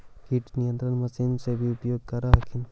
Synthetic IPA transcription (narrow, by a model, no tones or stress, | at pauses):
kiʈnijə̃nt̪ɾənmɐsinsebʱiupjoːɡ̚kɐɾaɦɐkʰin